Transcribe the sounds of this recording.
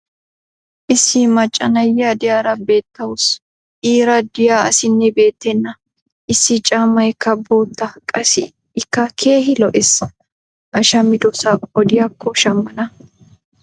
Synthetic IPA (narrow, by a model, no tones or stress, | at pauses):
ʔɪsːɪmɐt͡ʃʼːɐ̰nɐjːɐd̪ɪjaːɾɐbe̞ːt̪ːɐwʊs | ʔiːɾɐd̪ɪjaːɐsɪnːɛbe̞ːt̪ːɛnːɐ | ʔɪsːɪt͡ʃʼaːmːɐjkːɐboːt̪ːɐkʼɐsɪ | ɪkːɐkʰe̞ːhɪlɔʔɛs | ʔɐʃɐmɪd̪ɔsaɔd̪ɪjɐkːɔʃɐmːɐnɐ